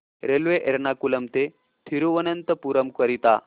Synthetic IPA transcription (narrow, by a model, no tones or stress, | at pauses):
ɾelʋeʔeɾnakulɐmt̪e | t̪ʰiɾuʋənənt̪əpuɾəmkʋəɾit̪a̰